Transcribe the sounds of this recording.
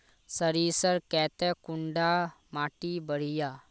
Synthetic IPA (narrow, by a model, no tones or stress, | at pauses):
səɾisəɾkɛːt̪ɛkuɳɖa | maːʈibəɽ̤ija